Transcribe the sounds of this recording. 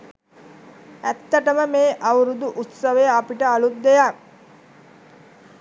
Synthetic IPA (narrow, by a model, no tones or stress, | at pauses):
æt̪ːəʈəməmeːʔawɾud̪uʔut̪səʋəjəapiʈəalut̪̚d̪ejak